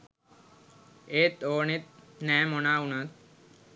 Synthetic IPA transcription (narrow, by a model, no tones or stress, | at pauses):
eːt̪oːnit̪̚nɛːmɔnaːunat̪̚